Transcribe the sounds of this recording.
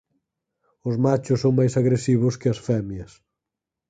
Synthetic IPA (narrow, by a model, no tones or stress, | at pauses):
ʊzmat͡ʃʊsːõŋ̃majsaɣɾesiβʊskɪɐsfɛmjɐs